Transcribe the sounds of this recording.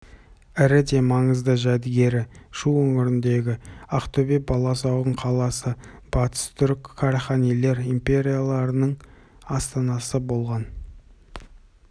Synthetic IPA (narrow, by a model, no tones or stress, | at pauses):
ɪɾɪd̪e̞mɑɴəzd̪əʒæd̪ɪɡʲe̞ɾɪʃuɵŋʲɪɾɪnd̪e̞ɡʲɪɑqt̪ʰobebɑlˠɑsɑwdəɴqʰɑlˠɑsəb̥ɑt̪ə̥st̪ʰʏɾkʲkʰːaɾaχanijle̞ɾimpʲe̞ɾʲijalˠɑɾənəɴ | ɑst̪ɑnɑsəbo̞lˠʁɑn